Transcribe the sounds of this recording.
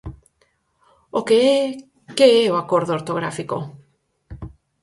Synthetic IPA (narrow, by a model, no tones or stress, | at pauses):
okee | keeoakoɾðooɾt̪oɣɾafiko̰